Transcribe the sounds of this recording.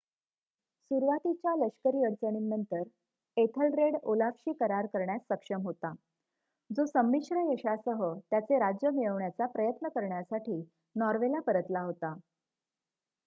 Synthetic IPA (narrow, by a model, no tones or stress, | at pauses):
suɾʋat̪it͡ɕjaləɕkəɾiːəɽt͡səɳ̃inːənt̪əɾ | et̪ʰəlɾeɽolafɕiːkəɾaɾkəɾɳjasːəkʂəmɦot̪a | d͡zosəmːiʂɾəjəɕasəɦət̪jat͡seɾad͡ʑjəmiɭəʋɳjat͡sapɾəjət̪nəkəɾɳjasaʈiː | nɔɾʋelapəɾət̪laɦot̪a